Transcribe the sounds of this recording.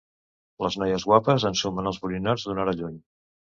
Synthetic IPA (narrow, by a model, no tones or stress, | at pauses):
ləznɔjəzɣwapəzənsumənəlˠzβulinaɾzðunaɾəʎuɲ